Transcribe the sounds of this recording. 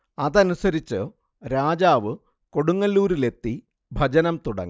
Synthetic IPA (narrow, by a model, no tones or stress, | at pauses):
ɐðɐnusɐɾit͡ɕːɨ | ɾaːd͡ʑaːʋɨ | ko̞ɽuŋːɐlːuːɾile̞t̪ːi | bʱɐd͡ʑɐnɐmt̪uɽɐ̰ŋː